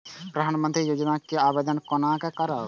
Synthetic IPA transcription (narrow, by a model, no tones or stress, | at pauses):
pɾəd̪ʱaːnmə̃nt̪ɾijoːd͡ʒnakeabed̪ənkɔnakekəɾa